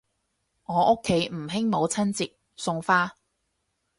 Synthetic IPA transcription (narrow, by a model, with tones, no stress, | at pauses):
ŋɔː˨˧ʔʊ˥kʰːe˨˥jm̩˨˩ɦɪ˥ŋmo˨˧wt͡sʰɐ˥nt͡siː˨k̚ | sʊ˧ŋfaː˥